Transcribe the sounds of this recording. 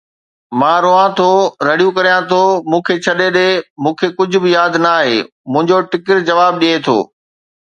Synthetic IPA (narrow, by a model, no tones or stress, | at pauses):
mãːɾoːãt̪ʰoːɾɐɽijũkɐɾijãt̪ʰoːmũːkʰet͡ɕʰɐɗeɗeːmũːkʰeːkʊd͡ʑʱʊ̆bɪjaːd̪naaːɦeː | mũɦɪ̃ɲd͡ʑoʈɪkɪʈd͡ʑɐʋaːb̚ɗiet̪ʰo̰ː